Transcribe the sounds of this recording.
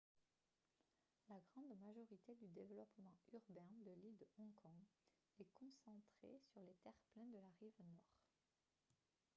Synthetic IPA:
laɡʁɑ̃d̪maʒɔʁit̪ed̪yd̪evəlɔpmɑ̃yʁbɛ̃d̪əlild̪ɔ̃kʰɔ̃ | ɛkɔ̃sɑ̃t̪χḛsyʁlet̪ɛʁplɛ̃nd̪əlaʁivnwɔʁ

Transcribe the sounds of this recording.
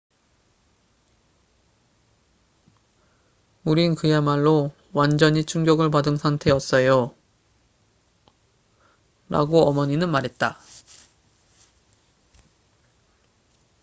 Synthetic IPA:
uɾinkɯjamaɭːo | wand͡ʑʌɲit͡ɕʰuŋɡjʌɡɯɭpadɯnsʰaŋtʰe̞ʌts͈ʌjo | ɾa̰ɡoʌmʌɲinɯnmaɾɦe̞t̚t͈a

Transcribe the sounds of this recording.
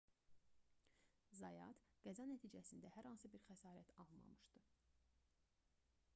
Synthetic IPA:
zɑjɑ̰t̪ɡ̥æzɑnæt̪ʰiːd͡ʒæsind̪æhæɾhɑnsɯbiɾxæsɑːɾæt̪ʰɑlˠmɑ̰mɯʃd̪̥ɯ

